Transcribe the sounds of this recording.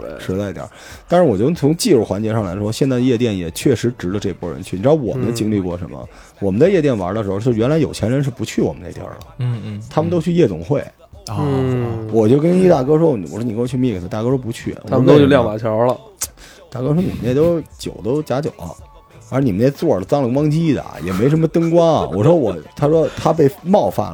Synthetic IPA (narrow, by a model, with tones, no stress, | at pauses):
ʂɻ̩˥˧t͡sa˥˩i˧˩t̪j̰ɐ̰˨˩˦t̪a˥˧nʂɻ̩˥˧˩wɔ˨˩t͡ɕjo˥˩ʊ˥t͡sʰʊ˧˥ŋt͡ɕi˥˧ʂɻu˥˩xwa˧˥nt͡ɕjɛ˧˥ʂɑ˥˩ŋla̰˧˥ɪʂwɔ˥ɕjɛ˥˧nt͡sa˥˧ɪə˧jɛ˥˧t̪jɛ˥˩njɛ˨˩t͡ɕʰɥɛ˥˩ʂɻ̩˧˥ʈ͡ʂɻ̩˧˥lə˧ʈ͡ʂɤ˥˩˧kʰwɔ̰˥ɻə̰˧˥nt͡ɕʰy˥˩ni˨˩ʈ͡ʂɻ̩˥˧ʊwɔ̰˨˩mə˦˥nt͡ɕi˥ŋli˥˧kwɔ˥˩ʂə̰˧˥nmə̰˧ | wɔ˨˩mə˦nt͡sa˥˧jɛ˥˧t̪jnwa̰˧˥d̪ə˧ʂɻ̩˧˥˧t͡ɕo˥˧˩ɥɛ˧˥nla˧˥ɪjo˨˩ʊt͡ɕʰjɛ˧˥nɻə˧˥nʂɻ̩˥˩pu˧˥t͡ɕʰy˥˩wɔ̰˨˩mə˦nə˧˩j̰lə̰˩t̪ʰa˥mə˨nt̪o˥ʊt͡ɕʰy˥˧jɛ˥˩t̪ʊ̰˨˩ŋxwe˥˩ɪ | wɔ˨˩t͡ɕjo˥˧ʊkə˥ni˥t̪a˥˩kɤ˥ʂo˥˩ʊ˨˩wɔ˨˩ɻɔ˥ni˨˩kwɔ˧˩t͡ɕʰy˥˧mi˥˩kə˨sʰə˧˩t̪a˥˩kɤ˥ʂpu˧˥t͡ɕʰy̰˥˩a˥˧˨o˥˧ljɑ˥˧ŋma˨˩t͡ɕʰjɔ˧˥lə˧ | t̪a˥˩kɤ˥ʂwɔ˥ni˨˩mə˦njt̪o˥ʊt͡ɕjo˨˩ʊt̪o˥ʊt͡ɕja˧˥t͡ɕjo˨˩ʊɐ̰˦˧˥ | i˨˩ə˦njɛ˥˧t͡swɔ˥˩˧t͡sɑ˥ŋlə˨˩kwɑ˥ŋt͡ɕi˥d̪ə̰˨jɛ̰˨˩me˧˥ʂə˧˥mə˧t̪ɤ˥ŋkwɑ̰˥˨˩wɔ˨˩ʂwɔ˥wɔ˨˩t̪ʰa˥ʂwɔ˥t̪ʰa˥pe˥˧ɪmɑ˥˧ʊfa̰˥˩n